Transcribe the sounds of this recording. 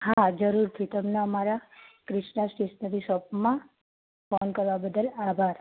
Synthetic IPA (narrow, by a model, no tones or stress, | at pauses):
ɦad͡ʒəɾuɾt̪ʰit̪əmneəmaɾakɾɪʃnasʈisnəɾisɔpmã | fɔnkəɾʋabəd̪əlabʱaɾ